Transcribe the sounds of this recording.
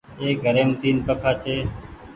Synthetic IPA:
eːɡʱəɾeːmt̪iːnpəkʰaːt͡ʃʰeː

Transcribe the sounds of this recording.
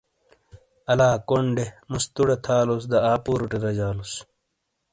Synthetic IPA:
ɐlaːkoɳɖemust̪uɽet̪ʰaːlus̬d̪ɐaːpuːɾuʈiɾɐd͡ʑaːlus

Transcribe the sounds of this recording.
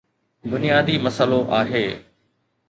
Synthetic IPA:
d̪ʊnijaːd̪iːmɐsəloʔaːɦeː

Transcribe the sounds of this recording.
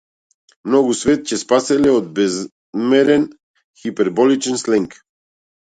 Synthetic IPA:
mnɔɡusvɛt̪̚cɛspasɛlɛod̪̚bɛz | mɛɾɛn | xipɛɾbɔlit͡ʃɛnslɛŋk

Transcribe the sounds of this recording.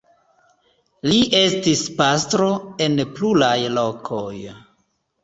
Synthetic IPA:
liʔe̞stispastɾo̞e̞nplulajlo̞kʰo̞j

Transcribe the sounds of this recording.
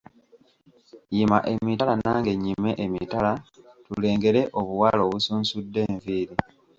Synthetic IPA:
jima̰ʔe̞mitalanaːŋɡe̞ɲːime̞ʔemḭtalatule̞ːŋɡe̞ɾe̞ʔo̞βuwalo̞ːβusuːnsudːe̞ːɱviːɾi

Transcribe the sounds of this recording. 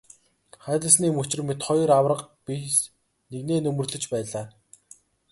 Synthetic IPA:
χæːt̪ə̆s̬niːmɵt͡ɕɪ̆rmet̪χɔjrawrə̆qpis | neɣneːnɵmɵ̆rɮɵ̆t͡ɕpæːɮaː

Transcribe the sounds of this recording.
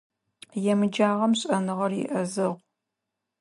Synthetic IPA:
jɛmɨd͡ʒaːʁɐmɕʼɐnɨʁɐrjɪ̰ʔɐzɨʁʷ

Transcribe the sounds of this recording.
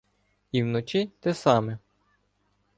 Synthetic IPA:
iwnɔt͡ʃit̪ɛsɑmɛ

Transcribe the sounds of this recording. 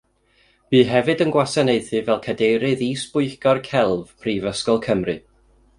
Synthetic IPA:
b̥iːɦɛvɨdənɡwasanejθɨvɛlˠkʰadejɾɨðiːsb̥ʊɨɡɔrkʰɛlˠv̥pʰriːvəskɔlˠkʰəmrɨ

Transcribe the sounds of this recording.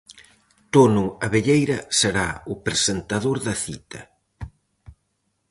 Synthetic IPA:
t̪onʊɐβeʎejɾɐseɾaʊpɾesent̪aðoɾðɐθḭt̪ɐ

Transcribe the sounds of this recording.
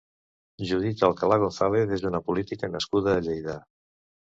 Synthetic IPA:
ʒuð̞it̪əlˠkalaɣonθaleðezd̪unəpulit̪ikənəskuðəːʎejða

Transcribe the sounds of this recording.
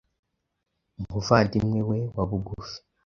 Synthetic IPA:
mbufantimwewewaβuɡufi̥

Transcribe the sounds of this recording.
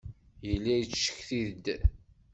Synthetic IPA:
jəlːæjt͡sːʃːə̥çθiðəd̪

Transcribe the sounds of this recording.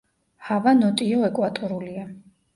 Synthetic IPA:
havanɔt̪ʼiɔɛkʼwat̪ʼɔɾulia

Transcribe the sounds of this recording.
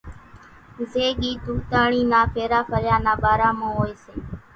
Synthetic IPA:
zeːɠiːd̪uːt̪aːɳiːnaːpʰeːɾaːpʰəɾjaːnaːɓaːɾaːmõːoːeːseː

